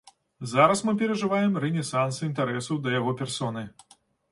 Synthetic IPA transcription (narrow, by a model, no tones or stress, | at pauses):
zaɾɐsmɨpʲɛɾɐʐɨvajɛmɾɛnʲɛsansɨint̪aɾɛsɐwd̪ɐjaɣɔpʲɛrsɔnɨ